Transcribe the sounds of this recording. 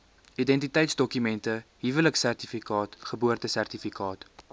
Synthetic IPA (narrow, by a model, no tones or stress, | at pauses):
idɛntitɛjtsdɔkymɛntəɦivələksærtifikɑːtχəbuərtəsærtifikɑːt